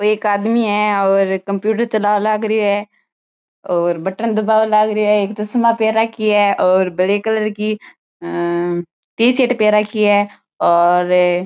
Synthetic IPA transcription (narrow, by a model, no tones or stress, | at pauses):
oeːkaːd̪miɦɛːɔːɾkəmpjuːʈəɾt͡ʃəlaːʋlaɡɾɪoɦɛː | ɔːɾbəʈənd̪əbaːʋlaɡɾoɦɛːeːkt̪osmaːpeːɾakiɦɛːɔːɾbəleːkələɾki | t̪iːseːʈpeːɾakiɦɛː | ɔːɾ